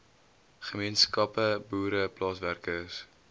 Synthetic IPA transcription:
χəmiənskɐpəbuːɾəplɑːsværkəs

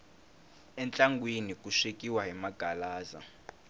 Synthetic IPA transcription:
ɛnt͡ɬʼaŋɡwenikʼuʂekʼiwaɦimaɡ̥ʱalaːza̰

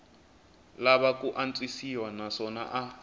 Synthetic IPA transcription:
laβakuʔant͡sʼisiwanaʂɔna̰ʔa

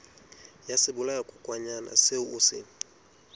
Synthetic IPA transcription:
jasɪbʊlaakʼʊkʼwaɲana̰sɪʊʊsɪ̰

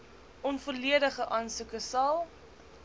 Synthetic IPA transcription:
ʔɔnfuːrliədəχəʔɑːnsukəsɐlˠ

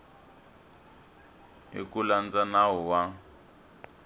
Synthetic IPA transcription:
ḛkuland͡zanaɦɔwa

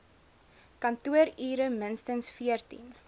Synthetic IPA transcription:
kɐntuəɾiːɾəmənstənsfiərtḭn

